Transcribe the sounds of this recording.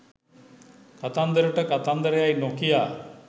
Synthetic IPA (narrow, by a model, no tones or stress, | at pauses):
kat̪and̪əɾəʈəkat̪and̪əɾejajnokijaː